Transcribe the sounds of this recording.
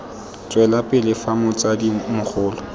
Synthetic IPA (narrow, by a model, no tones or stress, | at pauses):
t͡sʼwɛlapʼɪlɪfamʊt͡sʼadimʊk͡xʰʊːlɔ